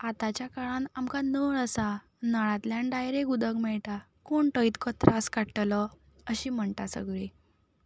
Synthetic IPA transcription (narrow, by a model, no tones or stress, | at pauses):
at̪at͡ɕjakəɭãnamkanəɭəsa | nəɭãt̪ljãɳɖajɾeɡud̪əɡmɛɭʈa | koɳʈəit̪kɔt̪ɾaskaʈlɔ | əɕiːm̤əɳʈasə̰ɡɭe